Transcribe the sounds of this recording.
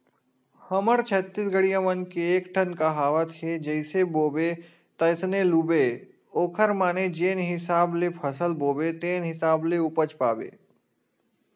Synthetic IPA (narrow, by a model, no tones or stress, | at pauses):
həməɾt͡ʃʰət̪ːɪsɡʱəɽijamənkeːkʈʰənkaɦaːʋət̪ɦed͡ʒəɪseboːbe | t̪əsneluːbe | oːkʰəɾmaːned͡ʒeːnɦɪsaːblepʰəsəlboːbet̪eːnɦɪsaːbleupət͡ʃpa̰ːbḛː